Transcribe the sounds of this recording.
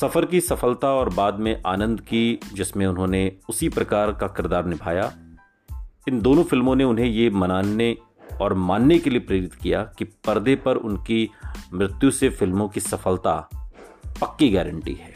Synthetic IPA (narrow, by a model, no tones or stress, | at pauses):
sɐfəɾkisɐfəlt̪aɔːɾbaːd̪mẽʔaːnə̃nd̪kid͡ʒɪsmẽʊnɦõneʊsipɾɐkaːɾkakɪɾd̪aːɾnɪbʱaːja | ɪ̃nd̪oːnõfɪlmõneʊnɦẽjemɐnaːne | ɔːɾmaːnːekeliepɾeːɾɪt̪kijakipɐɾd̪epɐɾʊ̰nkimɾɪt̪jusefɪlmõkisɐfəlt̪a | pɐkːiɡɛːɾə̃ɳʈḭɦɛː